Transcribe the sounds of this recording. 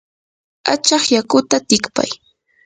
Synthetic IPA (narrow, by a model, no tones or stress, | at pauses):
at͡ʃɑχjakʊt̪at̪ɪkpa̰j